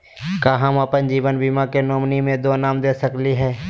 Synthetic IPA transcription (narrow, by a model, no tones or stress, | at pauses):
kaːɦaməpənd͡ʒiːʋənbimakenoːmnimẽd̪oːnaːmd̪eːsəkliɦɛː